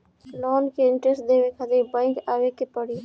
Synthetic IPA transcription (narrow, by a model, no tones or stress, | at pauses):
lɔːnkeɪɳʈɾesʈ̚d̪eːʋekʰad̪ebãɪŋkaːʋekepəɽi